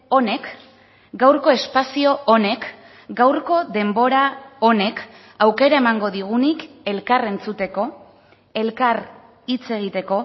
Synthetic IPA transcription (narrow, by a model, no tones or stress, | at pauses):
o̞ne̞k | ɡawɾko̞e̞spasio̞one̞k | ɡawɾko̞ðe̞mbo̞ɾao̞ne̞k | awke̞ɾae̞maŋɡo̞ðiɣ̞unike̞lkare̞nt͡sut̪e̞ko̞ | e̞lkar | it͡se̞ɣ̞it̪e̞ko̞